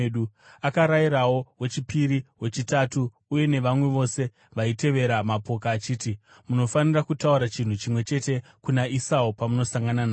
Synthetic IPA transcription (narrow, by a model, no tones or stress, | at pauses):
ɗuakaɾaiɾawo̞wet͡ʃipiɾiwe̞t͡ʃitatuː | je̞ne̞ʋamwe̞ʋo̞se̞ | ʋaite̞ʋe̞ɾamapo̞kaːt͡ʃiːti | muno̞fanirakutauɾat͡ʃin̤ut͡ʃimwe̞t͡ʃe̞te̞kunaisaupamuno̞saŋɡananaː